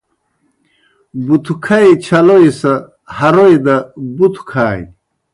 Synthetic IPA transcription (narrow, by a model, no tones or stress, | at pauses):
but̪ʰukʰajt͡ɕʰɐloisɐ | hɐɾoid̪ɐbut̪ʰu̥kʰaːj